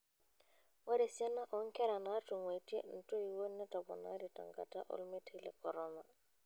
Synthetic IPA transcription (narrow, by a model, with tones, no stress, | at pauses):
wa˦ɾe˨sɛ˦na˦ʔɔ˨ŋ˦kɛ˦ɾa˨na˦tu˨ŋwa˨iti˦ḛ˦n̩˨to˦i˨wo˦nːɛ˦ta˨bɔ̰˨na̰˦ɾi˨ta̰˨ŋɡa̰˦ta̰˦ʔɔ̰˦lme˦ti˦lɛ̰˨kɔ˨ɾɔ˦ma˨